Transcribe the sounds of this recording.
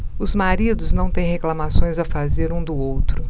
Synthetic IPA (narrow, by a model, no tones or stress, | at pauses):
ʊzmaɾid̪ʊznɐ̃w̃t̪ẽj̃heklamasõj̃zɐfazeɾũd̪ʊowt̪ɾʊ